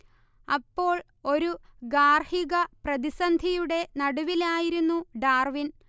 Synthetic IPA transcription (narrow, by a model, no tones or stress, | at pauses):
ɐpːo̞ːɭ | o̞ɾuɡaːrhiɣɐprɐðisɐnd̪ʱijuɽe̞nɐɽuʋilaːjiɾunːuɖaːrʋin